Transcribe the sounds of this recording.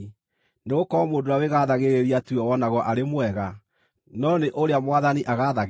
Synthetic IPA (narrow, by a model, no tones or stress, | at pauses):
neɣokɔɔmodoaweɣaðaɣeɾeɾiatuɔwɔnaɣwɔʔaɾemwɛɣa | nɔneʔoɾeamwaðaniʔaɣaðaɣ